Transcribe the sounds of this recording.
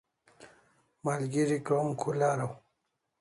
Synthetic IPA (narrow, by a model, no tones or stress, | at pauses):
malɡiɾikɾomkʰulaɾaw